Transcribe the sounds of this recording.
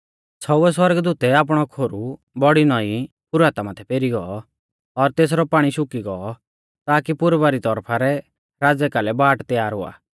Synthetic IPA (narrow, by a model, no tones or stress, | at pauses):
t͡sʰɔʊɛs̬wɐɾɡd̪uːt̪ɛaːp̬ɽ̃ɔkʰoːɾu | bɔɽinɔi | kʊɾaːt̪amat̪ʰɛpeːɾiɡɔɔ | ɔɾt̪eːs̬ɾɔpaːɽ̃iʃʊkiɡɔɔ | t̪aːkipʊɾbaɾit̪ɔɾpʰaɾɛ | ɾaːd͡zɛkalɛbaːʈt̪ɛjaːɾɦʊa̰ː